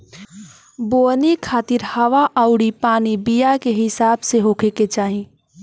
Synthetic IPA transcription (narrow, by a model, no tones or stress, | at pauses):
bonikʰat̪iɾhəʋaʔəʊɽipanibijakeɦɪsabseɦokʰeket͡ʃaːɦi